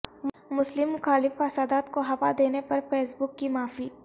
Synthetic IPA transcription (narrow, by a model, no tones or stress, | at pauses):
mʊslɪmːʊxaːlɪfɐsaːd̪aːt̪koɦɐpad̪eːnepɐɾpeːsbʊkːimaːfiː